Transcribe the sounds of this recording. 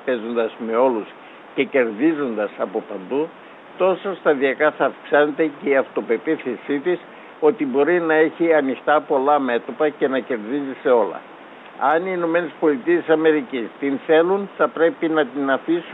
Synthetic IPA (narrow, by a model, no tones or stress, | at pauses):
pe̞zo̞nd̪ɐzme̞o̞lus | ce̞ce̞ɾðizo̞nd̪ɐsɐpo̞pɐnd̪u | t̪o̞sost̪ɐðiɐkɐθɐːfksɐne̞t̪e̞ce̞iɐft̪o̞pe̞piθesit̪is | o̞t̪ibo̞ɾinɐe̞çiɐnixt̪ɐpo̞lɐme̞t̪o̞pɐce̞nɐce̞ɾðizise̞o̞lɐ̰ | ɐniːno̞me̞ne̞spo̞lit̪ie̞sɐme̞ɾicist̪inθe̞lunθɐpɾe̞pinɐt̪inɐfis